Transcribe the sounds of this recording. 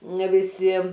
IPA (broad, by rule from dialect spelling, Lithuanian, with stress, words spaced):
nʲɛ ʋʲɪˈsʲɪ